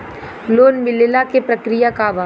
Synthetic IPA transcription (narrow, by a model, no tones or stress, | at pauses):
loːnʋɪlelakepɾɐkɾijakaʋa